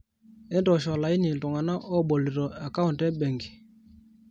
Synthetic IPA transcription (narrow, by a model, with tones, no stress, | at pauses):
ɛ˦ndɔ˨ʃɔ˨la˨i˦ni˨tɔ˨ŋa˨na˦ʔɔ˦˨ɓɔ˨li˨ɾɔ˨a˨ka˦u˨ntɛ˦ɓɛ˨ŋɡi˨